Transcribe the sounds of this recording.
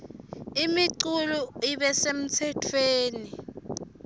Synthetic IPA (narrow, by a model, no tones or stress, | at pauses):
imiǀuluiɓɛsem̩tʰɛtʰweːni